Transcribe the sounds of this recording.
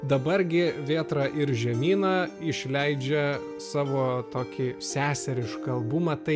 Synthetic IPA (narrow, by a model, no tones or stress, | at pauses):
d̪ɐbɐɾɡʲɪʋʲiɛt̪ɾɑʔɪɾʒʲɛmʲiːnɐɪʃʲlʲɛɪd͡ʒʲɛ | sɑːʋoːt̪oːkʲɪsʲæːsʲɛɾʲɪʃkɐɐlˠbʊmɐt̪ɐɪ